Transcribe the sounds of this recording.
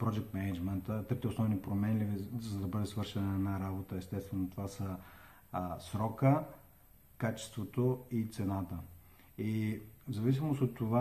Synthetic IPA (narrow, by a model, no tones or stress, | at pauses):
pɾɔd͡ʒɛk̚t̪mɛnɛd͡ʒmɛnt̪ət̪ɤɾp̚t̪ɛʊsnɔvnipɾomɛnlʲivizɐd̪ɐbɤd̪ɛsvɤɾʃɛnəːnaɾabot̪əɛst̪ɛst̪vɛnot̪ovasə | sɾɔkə | kat͡ʃɛ̥st̪vot̪oit̪sɛnat̪ə | izɐvis̬imost̪ot̪ːova